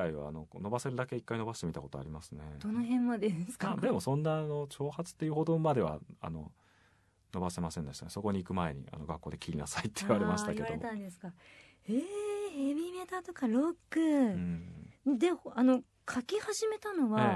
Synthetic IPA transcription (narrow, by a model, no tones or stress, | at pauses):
aiβa̰ːno̞kono̞base̞ɾɯd̪ake̞ikːaino̞baɕi̥t̪e̞mit̪akot̪o̰a̰ɾʲimasɨne̞̰d̪̥o̞noɦẽ̞mːod̪esɨ̥kad̪e̞mo̞sõ̞nːano̞t͡ɕo̞ːhat͡sɨ̥t̪ːe̞iɯ̟ho̞d̪omad̪e̞βa̰a̰no̞̰ | no̞base̞masẽ̞nd̪e̞ɕit̪a̰ne̞so̞ko̞ɲ̟iːkɯ̟mae̞̰ɲ̟ḭa̰no̞ɡakːo̞ːd̪e̞kʲiɾʲina̰sait̪ːeiβaɾemaɕit̪akeaoɾet̪ãnd̪e̞sɨ̥ka | eebʲime̞t̪at̪o̞kaɾo̞kːɯ̃ | d̪e̞hoano̞ | kʰakʲihaʑime̞t̪ano̞βaa